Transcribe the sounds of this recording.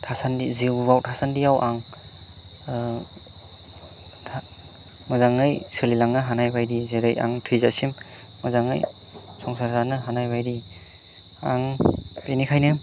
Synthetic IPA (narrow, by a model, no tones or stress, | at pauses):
tʰasandiziubawtʰasandijawʔaŋ | a | mɔzaŋɯjsɯlilaŋnɯɦanajbajdizeɾɯja̰ŋtʰɯjzasim | mɯzaŋɯ̰j | sɔŋsaɾzanɯɦanajbajdi | aŋbenikʰajnɯ